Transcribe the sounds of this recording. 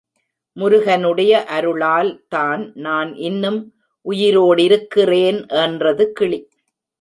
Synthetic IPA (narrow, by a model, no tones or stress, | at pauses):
mʊɾʊɣɐnɯɽɐjɐʔɐɾɯɭaːlt̪aːnnaːnʔɪnːɯm | ʔʊjɪɾoːɽɪɾɯkːɪreːnʔɛndrɐðɯkɪɭi